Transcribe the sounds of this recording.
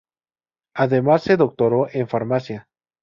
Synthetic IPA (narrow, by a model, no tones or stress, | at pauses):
aðemasːe̞ðo̞k̚t̪oɾoʔeɱfaɾmasja